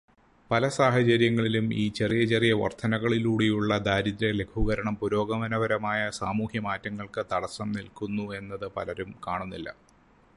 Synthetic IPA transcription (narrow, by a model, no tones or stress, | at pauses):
pɐlɐsaːɦɐt͡ɕɐɾjɐŋːɐɭilumiːt͡ɕe̞rijɐt͡ɕerijɐʋɐ̰rt̪ʰɐnɐɣɐɭiluːɽejuɭːɐd̪aːɾid̪ɾɐle̞kʰuɣɐɾɐɳɐmpuɾo̞ːɡɐmɐnɐʋɐɾɐmaːjɐsaːmuːhjɐmaːtːɐŋːɐɭkɨt̪ɐɽɐsɐmnilkunːue̞nːɐðɨpɐlɐɾumkaːɳunːilːɐ̰